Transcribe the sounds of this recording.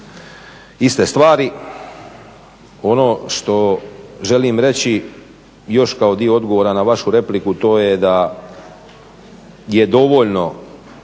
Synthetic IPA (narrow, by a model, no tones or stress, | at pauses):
ist̪est̪ʋaːɾi | o̞no̞ʃt̪o̞ʒe̞limɾe̞t͡ɕi | jo̞ʃkao̞d̪ioo̞d̪ɡo̞ʋoːɾanaʋaʃuɾe̞plikut̪o̞ːjed̪a | jed̪o̞ʋoʎno̞